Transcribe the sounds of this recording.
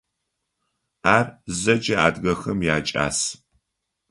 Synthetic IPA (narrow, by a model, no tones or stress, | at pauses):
aːrzɐd͡ʒɐa̰ːdɣɐxɐmjaːt͡ʃʼa̰ːs